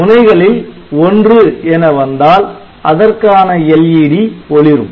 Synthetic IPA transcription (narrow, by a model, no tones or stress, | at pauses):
ʊnɐɪɣɐɭɪl | ɔndrɯɛnɐʋɐnd̪aːl | ɐðɐrkaːnɐɛljiːɽiɔɭɪɾɯm